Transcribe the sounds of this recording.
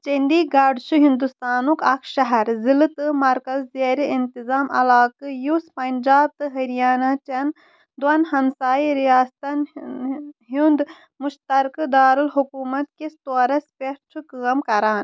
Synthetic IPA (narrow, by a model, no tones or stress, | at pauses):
t͡ʃend̪iɡaːɾɖʃuɦind̪ust̪aːnukɐkʰʃɐɦɐɾzilɨt̪ɨmɐɾkɐzːeːɾiint̪izaːmɐ̰laːkɨjuspɐnd͡ʒaːb̚t̪ɨɦɐɾijaːnat͡ʃɐn | d̪wɐnɦɐmsaːiɾijaːst̪ɐn | ɦund̪ | muʃt̪ɐɾkɨd̪aːɾɨlɦukuːmɐt̪kest̪oːɾɐspeɾt͡ʃʰɨkɨːɐmkɐɾaːn